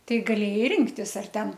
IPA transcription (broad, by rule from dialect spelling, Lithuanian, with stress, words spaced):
ˈtɐɪ ɡɐˈlʲeːjɛɪ ˈrʲɪŋktʲɪs ɐr ˈtʲɛn